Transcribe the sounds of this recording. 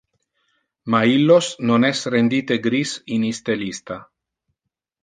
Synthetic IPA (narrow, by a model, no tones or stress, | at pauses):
mailːosnonɛsrend̪iːt̪eɡɾisinist̪elist̪a